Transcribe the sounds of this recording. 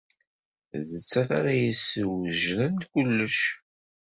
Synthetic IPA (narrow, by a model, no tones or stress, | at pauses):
ðət͡sːæθaɾajəsːəwəʒɾənt̪kʊlːəʃ